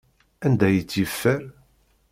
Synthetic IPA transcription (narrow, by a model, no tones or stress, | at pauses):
ænd̪æjət͡sːjəfːəɾ